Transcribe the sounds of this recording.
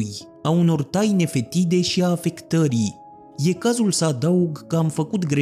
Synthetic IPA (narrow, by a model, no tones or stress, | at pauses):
j | auno̞rt̪ajne̞fe̞t̪id̪e̞ʃiaːfe̞kt̪əɾi | je̞kazulsəad̪auɡkəamfəkut̪ɡɾe